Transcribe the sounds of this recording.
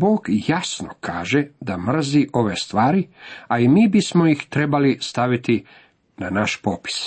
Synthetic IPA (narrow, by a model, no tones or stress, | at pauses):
boːɡjasno̰kʰaːʒed̪amr̩ziʔo̞ʋest̪ʋaːɾiaimiːbismojixt̪ɾe̞balist̪aʋit̪i | nanaʃpopi̥s